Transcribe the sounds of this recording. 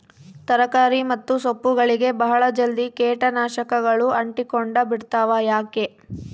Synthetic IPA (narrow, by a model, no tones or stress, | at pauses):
t̪ɐɾɐkaːɾimɐt̪ːusopːuɡɐɭiɡe̞bɐɦɐɭɐd͡ʒɐld̪ikeːʈɐnaːʃɐkɐɡɐɭuɐɳʈikoɳɖɐbiɽt̪aːʋajaːke̞